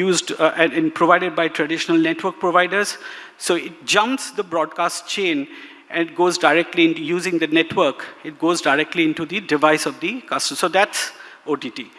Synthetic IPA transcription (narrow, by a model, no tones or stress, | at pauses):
juːzɖ̃npɾoʋaɪɖeɖ̚baɪʈɾəɖɪʃənəlneʈʋəɾk̚pɾoʋaɪɖəɾz̥ | soːɪʈ̚d͡ʒʌ̃mpsd̪əbɾɔːɖ̚kaːsʈ̚t͡ʃẽːn | ʔɛ̃nʈɡoːzɖaɪɾɛk̚ʈliɪ̃nʈujuːzɪ̃ŋd̪əneʈʋəɾkɪʈ̚ɡoːzdaɪɾɛk̚ʈliɪ̃nʈud̪iɖɪʋaɪsɔʋd̪ikʌsʈə̃msoːd̪æʈs | oːʈiːʈiː